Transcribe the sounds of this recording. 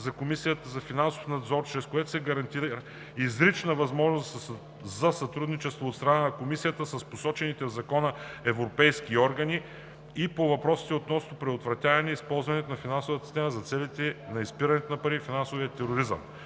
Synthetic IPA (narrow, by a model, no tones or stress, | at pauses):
zɐkomisijət̪əzɐfinanso̥fnɐd̪zɔɾt͡ʃɾɛskoɛt̪o̥sɛɡɐɾɐnt̪iɾ | izɾit͡ʃnəvɐzmɔʒnost̪ | zɐsɐt̪ɾud̪nit͡ʃɛst̪voːt̪st̪ɾɐnanɐkomisijət̪əsɐsposɔt͡ʃɛnit̪ɛvzɐkɔnəɛvɾopɛjskiɔɾɡɐni | ipovɐpɾɔsi̥t̪ɛot̪nɔsnopɾɛd̪ot̪vɾɐt̪ʲavɛnɛispɔlˠzvɐnɛt̪ʊnɐfinansovət̪si̥st̪ɛməzɐt̪sɛlit̪ɛnɐispiɾɐnɛt̪ʊnɐpɐɾifinansʊvijət̪ɛɾoɾizə̰m